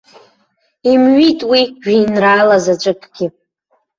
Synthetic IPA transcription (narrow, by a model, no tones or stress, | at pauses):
imɥitʼwiʒᶣinraːlazat͡ʃʷʼɨkʰʼɡ̥ʲɪ